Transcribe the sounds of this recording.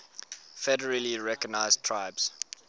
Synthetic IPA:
fɛdəɹəliɹɛkɔɡnaɪztʰɹaɪbz̥

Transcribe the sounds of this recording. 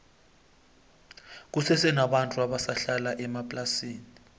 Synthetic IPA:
k̬usɛsɛnaɓantʼuaɓasaɬalaʔɛmapʼlasiːni

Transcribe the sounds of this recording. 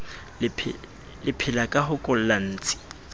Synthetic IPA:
ɪ | lɪpʰɪlakʼaɦʊkʼʊl̩lan̩ːt͡sʼɪ̥

